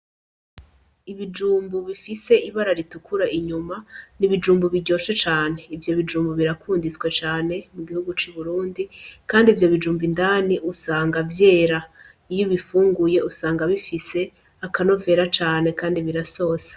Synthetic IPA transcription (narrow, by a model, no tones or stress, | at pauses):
iβid͡ʒuːmbuβifise̞iβaɾaɾitukʰuɾaʔiɲumaniβid͡ʒuːmbuβiɟo̞ːʃet͡ʃaːne̞ivjo̞βid͡ʒuːmbuβiɾakʰuːndit͡skwe̞t͡ʃaːne̞muɡihuɡut͡ʃiβuɾuːndikaːndivjo̞βid͡ʒuːmbindaːniʔusaːŋɡavje̞ːɾa | ijoβifuːŋɡuje̞usaːŋɡaβifise̞ | akano̞ve̞ɾat͡ʃaːne̞kaːndiβiɾaso̞ːse̥